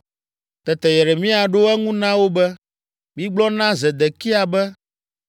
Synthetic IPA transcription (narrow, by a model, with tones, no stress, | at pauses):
t̪ɛ˨t̪ɛ˨jɛ˨ɖɛ˨mĩ˦a˨ɖo˦ɛ˦ŋũ˦nã˦wo˦bɛ˦ | mĩ˦ɡ͡blɔ˦nã˦zɛ˨d̪ɛ˨ki˦a˨bɛ˦